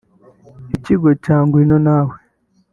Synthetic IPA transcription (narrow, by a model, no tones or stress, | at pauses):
iciɡocaːŋɡwinonaːwe